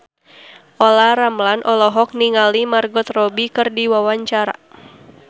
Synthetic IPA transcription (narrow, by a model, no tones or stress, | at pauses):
ʔɔlaɾamlanʔɔlɔɦɔk̚niŋalimarɡɔt̪rɔbikɨrdiwawaɲt͡ʃaɾa̰